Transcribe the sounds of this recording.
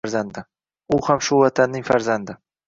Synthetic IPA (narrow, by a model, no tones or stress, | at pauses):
ɾzand̪ɪ | ʊhamʃʊvat̪ʰanːɪŋfaɾzand̪ɪ